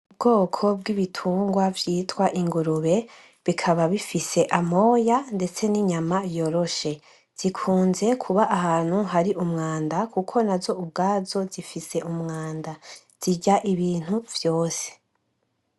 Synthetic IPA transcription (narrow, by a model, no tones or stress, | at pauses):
ubɡo̞ːkʰo̞b̚ɡiβitʰuːŋɡwavjiːtwaʔiŋɡuɾuβe̞ | βikʰaβaβifise̞ʔamo̞ːjande̞t͡se̞niɲamajo̞ɾo̞ʃe̞ | z̥ikʰuːnze̞kʰuβaʔːhaːn̥huɦaɾiʔumŋaːndakukʰo̞nazo̞ub̚ɡaːzo̞zifise̞ʔumŋaːnda | z̥iɟaʔiβiːn̥huv̥jo̞ːse̥